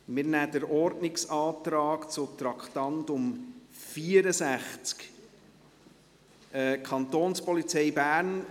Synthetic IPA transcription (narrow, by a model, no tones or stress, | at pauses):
mɪɾnæːdəɾɔɾdnɪksɑːt̪ɾɑːkt͡sʊtɾɑkχtɑntʊmfiəɾəsæχt͡sk | ɛkʰɑnt̪oːnspɔlit͡sɛɪbæːɾn